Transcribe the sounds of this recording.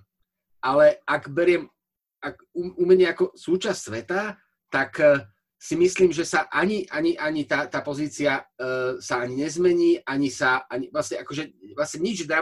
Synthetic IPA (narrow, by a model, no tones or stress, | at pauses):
ʔalɛaɡbɛɾɪɛm | ak | uumɲɛakɔsuːt͡ʃassʋɛt̪a | t̪ak | simisliːmʒɛsaʔaɲiʔaɲiʔaɲit̪aːt̪aːpɔziːt͡siasaaɲiɲɛzmɛɲiːʔaɲisaʔaɲiʋlasɲɛakɔʒɛʋlasɲɛɲid͡ʒd̪ɾa